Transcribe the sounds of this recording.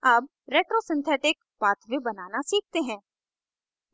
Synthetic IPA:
aːb | ɾeːʈɾosɪ̃nt̪ʰɛːʈɪk | baːt̪ʰʋibɐnaːnasiːk̚ʰt̪eɦɛ̃ː

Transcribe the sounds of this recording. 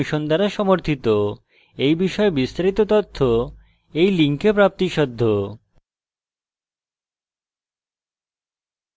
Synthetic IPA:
ʃond̪aɾaʃɔmoɾt̪ʰit̪o | ejbiʃɔebist̪aɾit̪ot̪ɔt̪ʰːo | ejliŋkepɾap̚t̪iʃɔd̪ʱːo

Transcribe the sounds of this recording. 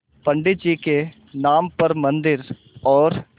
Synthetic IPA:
pəɳɖɪd͡ʒiːke | naːmpəɾmənd̪ɪɾ | ɔːɾ

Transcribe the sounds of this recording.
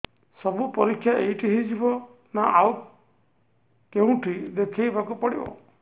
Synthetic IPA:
sɔbupɔɾikʰːjaʔejʈiɦid͡ʒibɔ | naʔaw | keũʈʰid̪ekʰajbakupɔɽibɔ̰

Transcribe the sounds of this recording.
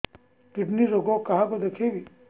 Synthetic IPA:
piʈniɾoɡokaɦakod̪ekʰeʋi

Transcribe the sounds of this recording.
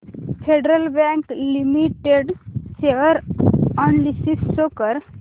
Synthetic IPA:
fʰeɖɾəlbɛ̃klimiʈeɖseʋəɾɔnlisisːokəɾ

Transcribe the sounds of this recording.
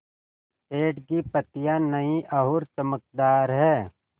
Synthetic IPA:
eːʈkipɐt̪ɪjãnɐĩʔɐɦʊɾt͡ʃəmək̚d̪aːɾɦɛː

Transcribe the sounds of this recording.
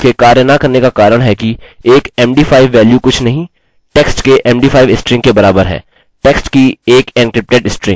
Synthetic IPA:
kekaːɾjənakɐɾnekakaːɾəɽ̃ɦɛkieːkɛːmɖiːpʰaːɪʋːɛːljukʊt͡ʃʰnɐɦĩ | ʈɛksʈkeʔɛ̃ːmɖiːpʰaːɪʋɪsʈɾɪ̃ŋɡkebɐɾaːbəɾɦɛ̰ː | ʈɛksʈkieːkɛ̃ːnkɾɪp̚ʈeɖɪsʈɾɪ̃ŋɡ

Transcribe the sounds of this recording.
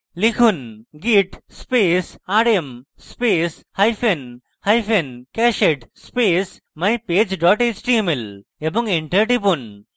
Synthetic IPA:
likʰunɡiːʈspeːsaːɖem | speːs | hɐjfʰen | hɐjfenkɛːʃeʈspeːs | mɐjpeːd͡ʒɖɔːʈeːt͡ʃʈiemeleboŋɡeɳʈɐʈipun

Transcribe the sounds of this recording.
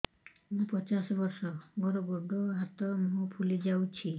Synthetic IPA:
mũpɔt͡ʃasɔbɔɾsɔɡɔɾɔɡɔɡɔɦat̪ɔmũpʰulid͡ʒawt͡ʃʰi

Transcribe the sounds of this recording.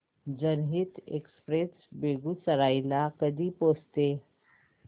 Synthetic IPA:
d͡ʑənɦit̪ḛkspɾesbeɡusəɾailakəd̪ʱiːpost̪e

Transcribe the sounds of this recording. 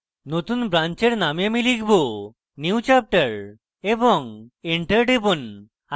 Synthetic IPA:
not̪unbɾant͡ʃeɾnamjamilikbo | niut͡ɕap̚ʈəɾ | ebɔŋeɳʈəɾɖebun | a

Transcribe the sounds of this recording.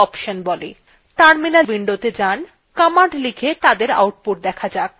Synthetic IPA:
ɔpʃonbɔle | ʈaɾminalbiɳɖot̪ed͡ʑan | kamaʈlikʰet̪ad̪eɾa̰wʈ̚puʈ̚d̪ɛkʰad͡ʑa

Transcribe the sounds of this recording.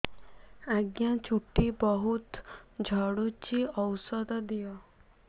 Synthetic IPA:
aɡjat͡ʃʰuʈːibɔɦut̪d͡ʒʱɔɽut͡ʃiɔwsɔd̪ɔd̪ijɔ

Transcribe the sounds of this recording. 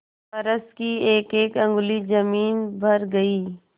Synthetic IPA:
pɐɾəskieːkeːkɐ̃ŋɡʊlid͡ʒɐmiːnbʱɐɾɡɐiː

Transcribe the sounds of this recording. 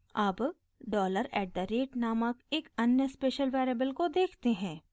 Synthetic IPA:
ɐb | ɖɔːləɾɛːʈ̚d̪əɾeːʈnaːməkeːkɐnjəspeːʃəlʋɛːɾebəlkod̪eːkʰt̪eɦɛ̃ː

